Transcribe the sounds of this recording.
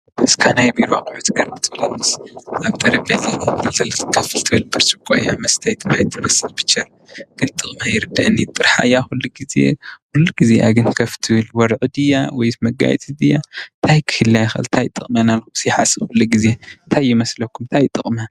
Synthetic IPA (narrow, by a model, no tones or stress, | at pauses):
ʔɨskʰanajbiɾa̰kʼʊʕut̪ʰɡɐɾbɨt̪ʰɨblɐnːɨsʔaβt̪ʼɐɾiblɐliɨt̪ɐlkʰɐfɨlt̪ʰɨβɨlbɨɾsɨkʷʼajamɐst̪ʰɐjt̪ʰɨmajt̪ʰɨmɐsɨlb̥ɨ̥t͡ʃːɐɾ | ɡ̥ɨnt̪ʼɨχʼmajɪɾɨd̪aʔɨnːit̪ʼɨɾħa̰jaxulːuɡizḛkulːuɡizeʔa̰ɡɨnkʰɐft̪ʰɨβɨlwɔɾʕud̪ɨjawɔjmɐɡa̰j̰t͡sʼɨd̪ɨjat̪ʰajkʰɨ̥hɨlːajxɨ̰lt̪ʰajt̪ʼɨχʼmanalusiħasɨxulːuɡizent̪ʰajimɐslɐkʰːumt̪ʰajt̪ʼɨχʼma